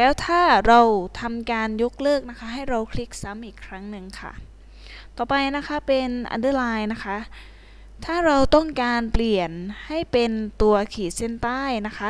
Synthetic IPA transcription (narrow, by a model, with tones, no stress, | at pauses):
lɛː˦˥wt̪ʰaː˥˩ɾa˧wt̪ʰa˧mkaː˧njo˦˥k̚lɤː˥˩k̚na˦˥kʰa˦˥ɦa˥˩jɾa˧wkʰli˦˥k̚sa˦˥mʔiː˨˩kʰɾa˦˥ŋnɯ˧ŋkʰa̰˥˩ | t̪ɔː˨˩pa˧jna˦˥kʰa˦˥pe˧nʔa̰˧ndɯː˦˥˩laː˧jna˦˥kʰa˦˥ʔ | t̪ʰaː˥˩ɾa˧wt̪ɔ˥˩ŋkaː˧npli˨˩ənha˥˩jpe˧nt̪u˧ɐkʰiː˨˩se˥˩nt̪aː˥˩jna˦˥kʰa˦˥